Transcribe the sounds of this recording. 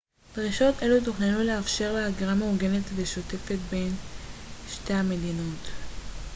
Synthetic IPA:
d̥ʁiʃo̞t̪e̞lut̪̬uχnanuleafʃe̞ʁleaɡiʁameuɡe̞ne̞t̪veʃo̞te̞fe̞t̪be̞n | ʃteame̞d̪ino̞t

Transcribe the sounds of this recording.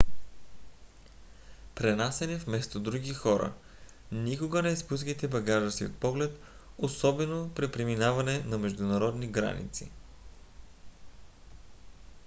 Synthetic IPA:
pɾɛnasɛnɛfmɛst̪od̪ɾuɡʲixɔɾə̰ | nikoɡənɛspuskit̪ɛbɐɡaʒəsio̰t̪̚pɔɡlɛt̪ | osɔbɛnopɾipɾɛminavɐnɛnɐmɛʒd̪unɐɾɔd̪niɡɾa̰nḭt̪sḭ

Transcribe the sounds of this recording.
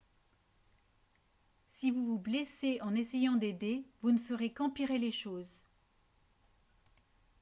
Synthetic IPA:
sivuvubleseʔɑ̃nesejɑ̃d̪ed̪evunəfəʁekɑ̃piʁeleʃoːz

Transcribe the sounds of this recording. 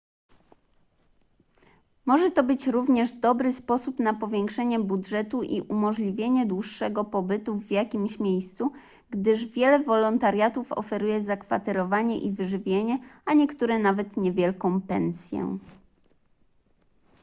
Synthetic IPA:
mɔʐɛt̪ɔbɘt͡ɕɾuvɲɛʐd̪ɔbɾɘspɔsupnapɔvʲjɛŋkʂɛɲɛbudʐɛt̪uʔiʔumɔʐlʲivʲjeɲɛd̪wuʂːɛɡɔpɔbɘt̪uvːjakʲimɕmʲjejst̪su | ɡd̪ɘʐvʲjɛlɛvɔlɔnt̪aɾjat̪ufɔ̰fɛɾujɛzakfat̪ɛɾɔvaɲɛ̰ʔivɘʐɘvʲjeɲɛaɲɛkt̪uɾɛnavɛt̪ɲɛvʲjɛlkɔ̃w̃pɛ̰nsʲjɛ̰

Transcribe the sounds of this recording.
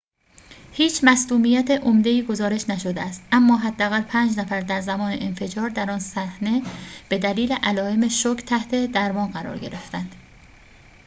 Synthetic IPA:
hiːt͡ʃʰmæsluːmijæt̪ʰeʔomd̪e̞iːɡo̞zɒːɾe̞ʃnæʃod̪eæst̪æmːɒːɦæd̪ːæɣælpʰæːnd͡ʒnæfæɾd̪æɾzæmɒːnḛʔenfe̞d͡ʒɒːɾd̪æɾɒːnsæhne̞b̥e̞d̪æliːleʔælɒːe̞meʃokʰt̪ʰæht̪ʰe̞d̪æɾmɒːnɢæɾɒ̰ːɾɟe̞̰ɾe̞ft̪ænd̪̥

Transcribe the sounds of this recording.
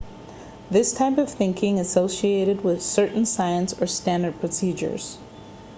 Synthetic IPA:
ðɪstʰaɪpʌv̥θɪ̃ŋkʰɪ̃ŋɨsoʊsieɪɾɨd̚wɪð̥sɜ˞ʔn̩saɪɨ̃nsə˞stæ̃ndə˞d̚pʰɹ̥ɨsid͡ʒə̰˞z̥

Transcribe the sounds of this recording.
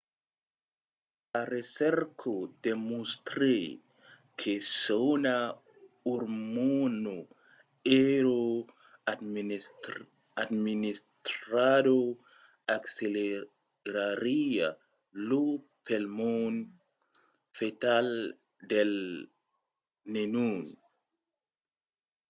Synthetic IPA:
laɾesɛɾkʰodemust̪ɾe | kʰesona | uɾmuno | eɾo | administɾado | aksele | ɾaɾia̰ | lu | pʰelmon | fetal | del | nenun

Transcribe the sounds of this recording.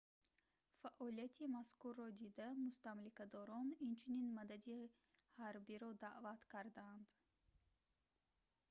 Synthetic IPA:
faʔɔlijat̪ʰimaskuɾːɔd̪id̪amust̪amlikad̪ɔɾɔnint͡ʃʰuninmad̪ad̪i | haɾbiɾɔd̪aʔvat̪kʰaɾd̪and̪

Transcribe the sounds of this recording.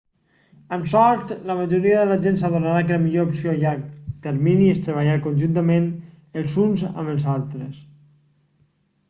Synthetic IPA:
əmsɔɾt̪ləməʒuɾiəðələʒensaðuɾnaɾakələmiʎoupsiojakt̪əɾminiəst̪ɾəβ̞əʎaɾkonʲʒunt̪əmen | əlˠzunzə̰məlˠzalˠt̪ɾəs

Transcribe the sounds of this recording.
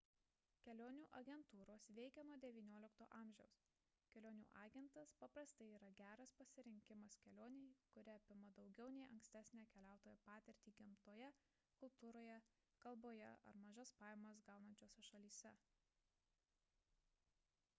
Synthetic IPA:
kʲɛlʲoːnʲuːʔɐɡʲɛnt̪uːɾoːsʋʲɛɪkʲɛnuɔd̪ʲɛʋʲiːnʲuɔlʲɪkt̪oːʔɑːmʲʒʲɛʊs | kʲɛlʲoːnʲṵːʔɑːɡʲɛnt̪ɐspɐpɾɐst̪ɐɪiːɾɐɡʲæːɾɐspɐsʲɪɾʲɪŋʲkʲɪmɐskʲɛlʲoːnʲɛɪkʊɾʲɪɐpʲɪmɐd̪ɒʊɡʲɛʊnʲɛɪʔɐŋksʲt̪ʲæːsʲnʲɛːkʲɛlʲæˑʊt̪oːjɛpɑːt̪ʲɛɾʲt̪ʲiːɡʲɪmt̪oːjɛ | kʊlˠpt̪uːɾoːjɛ | kɐlˠboːjɛ̰ɐ̰ɾmɐʒɐspɑːjɛmɐs̬ɡɑˑʊnɐnʲt͡ʃʲoːsʲɛʃɐlʲiːsʲɛ

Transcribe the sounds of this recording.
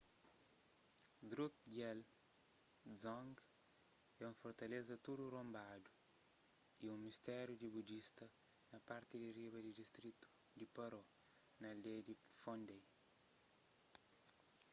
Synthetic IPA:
d̪ɾuk̚ɡɛl | zɔ̃ŋɡ | ɛũfoɾt̪ɐlezɐt̪udurõmbad̪u | iũmist̪ɛɾud̪ibud͡ʒist̪ɐ | nɐpaɾt̪id̪iriβɐd̪id̪ist̪ɾit̪u̥d̪ipɐɾɔnɐld̪ejd̪ifõnd̪ej

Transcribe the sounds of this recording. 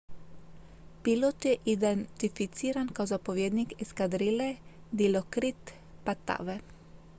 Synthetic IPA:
pilot̪jɛʔid̪ɛnt̪ifit̪siːɾankawzapoʋjeːd̪nikɛskad̪ɾilɛ | d̪ilokɾit̪ | pat̪a̰ːʋɛ

